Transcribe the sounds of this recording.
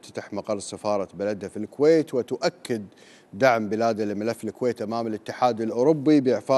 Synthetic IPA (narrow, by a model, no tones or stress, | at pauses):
t̪ḁt̪aħmɑqɑrˤsafɑːɾˤɑbalad̪hafilkweːt̪wɪt̪ʊʔakːɪd̪ː | aʕmbɪlaːd̪alɪmɪlafːɪlkweːt̪ʔamaːmɪlɪt̪ːɪħaːd̪ɪlʔʊɾʊbːibjɪʕfaː